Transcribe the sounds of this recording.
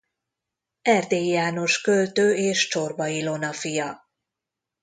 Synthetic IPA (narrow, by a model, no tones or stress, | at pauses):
ɛrd̪eːjjaːno̞ʃkø̞lt̪øːeːʃt͡ʃo̞rbɒjilo̞nɒfijɒ